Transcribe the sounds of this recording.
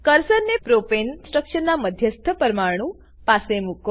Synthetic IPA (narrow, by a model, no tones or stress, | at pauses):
kəɾsəɾnepɾopensʈɾəkʃənnaməd̪ʱjəst̪ʰəpəɾmaɾɳ̃ũ | pasemuk